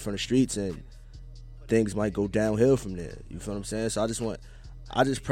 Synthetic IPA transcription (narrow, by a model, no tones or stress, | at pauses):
fɹʌ̃ɾ̃ʌv̥stɹ̥itsɨ̃n | θɪ̃ŋzmaɪt̚ɡ̥oʊdãʊ̃nɦɪlfɹʌ̃mðə̰˞jɨ̰fãʊ̃nʌ̃msɛ̃soaɪd͡ʒʌst̚wɑ̃nt | ʔa̰ɪd͡ʒʌspʰɹ̥